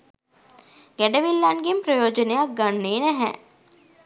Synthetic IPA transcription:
ɡ̥æɖəʋilːanɡempɾəjoːd͡ʒənejak̚ɡanːeːnæɦɛ̰

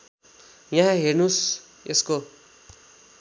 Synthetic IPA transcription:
jãɦãɦernus | esko

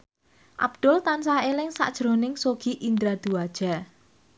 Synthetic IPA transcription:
ʔa̰b̥̚d̪̥ʊlt̪ansaelɪŋsa̰ʔd̥ʒ̥ɾonɪŋsoɡ̥iʔind̪ɾad̪̥uad̥ʒ̥a

